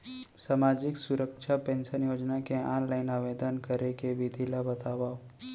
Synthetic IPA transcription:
saːmaːd͡ʒɪksʊɾəkʃʰapẽːnʃənjoːd͡ʒnakeãːnlaɪnaːʋeːd̪ənkəɾekebʱid̪ʱilabɐt̪aːʋao

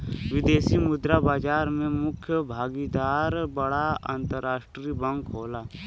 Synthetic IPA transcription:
ʋɪd̪eːsimʊd̪ɾabaːd͡ʒaːɾmẽmʊkʰjəbʱaːɡid̪aːɾbəɽaã̰ːnt̪əɾːaːʃʈɾiːbə̃ŋkɦoːlaː

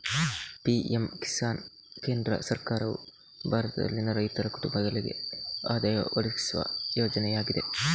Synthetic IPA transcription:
piːemki̥saːn | ke̞ːnd̪ɾɐ̰sɐɾkaːɾɐʋṵ | bʱaːɾɐt̪ɐd̪ɐ̰lːinɐɾɐjt̪ɐɾɐkuʈumbɐd̪ɐliɡe̞̰aːd̪ɐːjɐ̰ʋɐliki̥suʋɐ̰joːd͡ʒɐnɛjaːɡid̪e̞̰

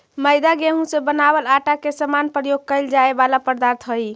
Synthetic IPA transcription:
məjd̪aɡeɦũsebənaβəlaʈakesəmanpɾəjoɡ̚kəjld͡ʒaebalapəɾd̪aɾt̪ʰɦəj

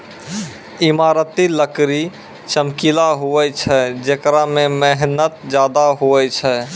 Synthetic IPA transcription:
imaɾət̪iləkɾi | t͡ʃəmkilaɦuɛt͡ʃʰɛd͡ʒekɾamemɛɦnət̪̚d͡ʒad̪aɦuɛt͡ʃʰɛ

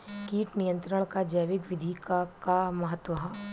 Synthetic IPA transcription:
kiːʈnijə̃nt̪ɾəɽ̃kad͡ʒɐjʋɪkʋɪd̪ʱikakamɐɦət̪ʋɐɦɐ

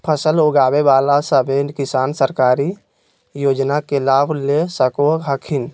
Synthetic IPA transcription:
pʰəsəloɡaːbebaːlasəbeːnkɪsaːnsəɾkaːɾi | joːd͡ʒnakelaːbʱlesəkoɦəkʰɪn

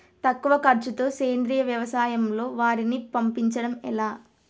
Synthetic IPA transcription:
t̪ɐkːuʋɐkɐɾt͡ʃut̪o̞ːseːnd̪ɾijɐʋjɐʋɐsaːjɐmlo̞ːʋaːɾinipɐmpiɲt͡ʃɐɽɐmɛ̰laː

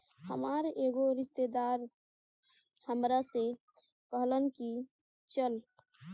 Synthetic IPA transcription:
hə̰maɾeɡoɾist̪ed̪aɾ | həmɾase | kəɦlənki | t͡ʃəl

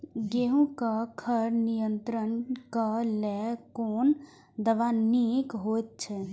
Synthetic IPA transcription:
ɡeɦũkakʰəɾnijənt̪ɾənkalɛkoːn | d̪əʋanikɦojt̪̚t͡ʃʰɛ

